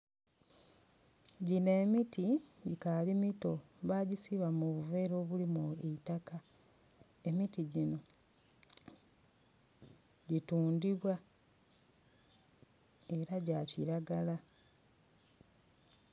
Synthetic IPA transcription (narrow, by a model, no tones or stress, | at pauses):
ɟine̞ːmitikalimito̞ | βaɟisiβamuβuve̞ːɾo̞ːβulimueitaka | e̞mitiɟino̞ | ɟituːndiβwa | e̞ɾaɟaciɾaɡala